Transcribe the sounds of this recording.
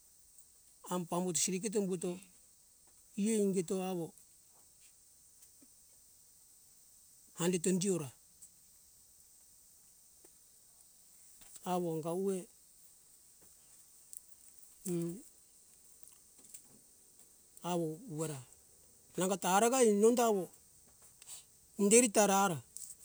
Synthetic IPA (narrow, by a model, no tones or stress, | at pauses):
ampambutsiɾik̬et̬ombuto | ieiŋɡetoaβo | handet̬ondioɾa | aβoŋɡaue | aβouweɾa | naŋɡataɾaɡainondaβo | ndeɾitaɾaɾa